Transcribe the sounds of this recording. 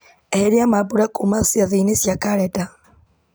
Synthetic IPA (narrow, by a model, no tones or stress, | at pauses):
eheɾiamabuɾakumasiaðinesjakaɾɛda